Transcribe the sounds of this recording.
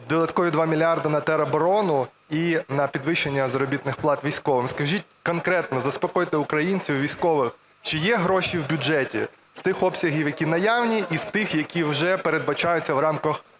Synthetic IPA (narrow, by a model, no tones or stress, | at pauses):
d̪ɔd̪ɐt̪kɔʋʲid̪ʋɑmʲilʲɑrd̪ɐnɐt̪ɛɾɐbɔɾɔnʊ | inɐpʲid̪ʋɪʃenʲːɐzɐɾɔbʲit̪nɪxplˠɑt̪ʋʲijsʲkɔʋɪmskɐʒʲit̚ʲkɔnkɾɛt̪nɔzɐspɔkɔjt̪ɪʊkɾɐjinʲt͡sʲiwʋʲijsʲkɔʋɪx | t͡ʃɪjɛɦɾɔʃiwbʲʊd͡ʒɛtʲḭ | st̪ɪxɔpsʲɐɦʲiwjɐkʲinɐjɑwnʲiʔist̪ɪxjɐkʲiwʒɛpeɾed̪̚bɐt͡ʃɑjʊt͡sʲːɐwɾɑmkɐx